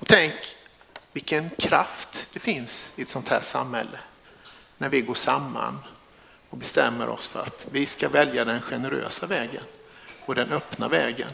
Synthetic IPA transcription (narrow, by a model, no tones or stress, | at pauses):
ɔt̪ʰɛŋk | vɪlkːənkʰɾaft̪d̪̥ɛfɪnsɪɛt̪sɔnt̪ʰhæːʂamhɛlːə | næɾvɪɡoːʂamːa̰n | ɔbɛst̪ɛmːəɾʔɔ̰sfœɾa̰t̪vɪskavɛljad̪ɛnɧɛnəɾø̰ːsavɛːɡə̰nɔd̪ɛnœpna̰vɛːɡə̰n